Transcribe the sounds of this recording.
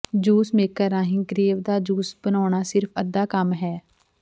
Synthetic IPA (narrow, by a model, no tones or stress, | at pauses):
d͡ʒuːsmeːkəɾãːɦɪ̃ːɡɾeːʋd̪aːd͡ʒuːsbənɔːɳ̃aːsɪɾpʰəd̪ːaːkəmɦɛː